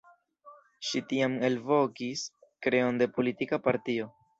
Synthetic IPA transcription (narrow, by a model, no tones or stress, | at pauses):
ʃitiame̞lvo̞kiskɾe̞o̞nde̞po̞litikapaɾtio̞